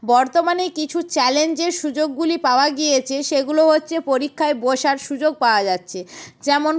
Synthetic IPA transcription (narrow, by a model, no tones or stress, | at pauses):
bɔɾt̪omanejkit͡ɕʰut͡ɕɛlend͡ʑeɾʃud͡ʑoɡːulipaoaɡijet͡ɕʰeʃeɡuloɦotːɕʰepoɾikʰːaeboʃaɾʃud͡ʑoɡ̚paoad͡ʑatːɕʰed͡ʑɛmon